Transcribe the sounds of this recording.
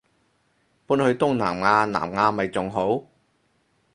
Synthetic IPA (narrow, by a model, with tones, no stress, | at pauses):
puː˥nhɵ˧ɥt̪ʊ˥ŋna̰ː˨˩mŋaː˧na̰ː˨˩mŋaː˧mɐ˨jt͡sʊ˨ŋɦo˨˥w